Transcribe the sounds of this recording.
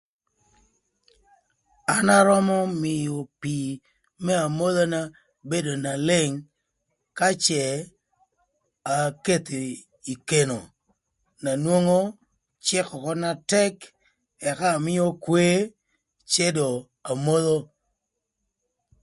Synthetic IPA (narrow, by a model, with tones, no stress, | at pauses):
a˨na˦ɾɔ˦mɔ˦mɪ˨jo˨pi˨ | mɛ˦a˨mo˦ðo˦na˦ | be˦do˨na˨lɪ˦˨ŋ | ka˦t͡ʃɛ˨ | a˨ke˦t̪i˨ | i˨ke˨no˨ | na˨nwo˦ŋo˦ | t͡ʃɪ˦kɔ˨kɔ˦na˦tɛ˦k | ɛ˨kaː˦˨mɪ˦jo˦kwe˦ | t͡ʃe˦do˨ | a˨mo˦ðo˦